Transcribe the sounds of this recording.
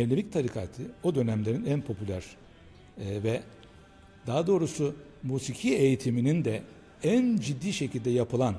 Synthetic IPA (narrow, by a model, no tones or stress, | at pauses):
eɾlʲevic̚t̪ʰaɾikʰaːt̪ʰɯod̪ø̞næmlʲeɾinænpʰo̞pʰylʲæɾ̥ | vɛ | d̪aːad̪o̞ːɾusʊmuːsicʰiejit̪ʰiminind̪ɛ | ænd͡ʒid̪ːiːʃecʰilʲd̪ɛjapʰɯlˠan